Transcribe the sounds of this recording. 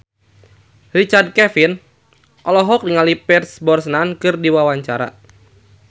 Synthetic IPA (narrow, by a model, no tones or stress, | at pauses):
rit͡ʃard̚kɛfin | ʔɔlɔɦɔk̚diŋalipɛrsbɔrsnankɨrdiwawaɲt͡ʃaɾa̰